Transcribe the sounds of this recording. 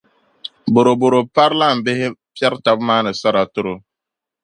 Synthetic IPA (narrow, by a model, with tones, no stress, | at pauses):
bo˨ɾo˨bo˨ɾo˨pa˦ɾla˦˨m̩˨be˦ɦe˦pja˦ɾta˨bma˦nɪ˨sa˦ɾa˨tʊ˦ɾo˨